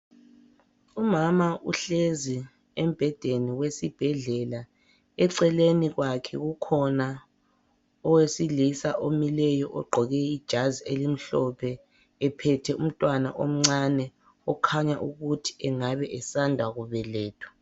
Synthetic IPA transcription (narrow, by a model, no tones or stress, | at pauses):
umamaʔṵɬezi | ɛm̩b̥ʱɛd̥ʱeniwesib̥ʱɛɮɛla | ɛǀɛleniɣwakʰɛ̰ɣukʰɔna | ɔwesilisaʔomilɛjɔʔɔɡ͡ǃʱɔɣɛid̥ʒ̥ʱazielim̩ɬɔpʰɛː | pʰɛtʰɛum̩tʼwana̰ʔom̩ŋ͡ǀanɛ | ɔkʰaɲa̰ʔuɣutʰi̥ʔɛŋaβɛʔɛsandʱwaɣuβɛlɛːtʰu̥